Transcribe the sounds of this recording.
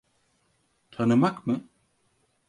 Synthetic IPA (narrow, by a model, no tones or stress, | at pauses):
t̪ʰanɨmakmɨ